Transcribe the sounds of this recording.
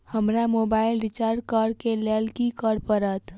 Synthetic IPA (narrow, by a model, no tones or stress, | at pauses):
həmɾamobailɾit͡ʃaɾɖkəɾkelelkikəɾpəɾət̪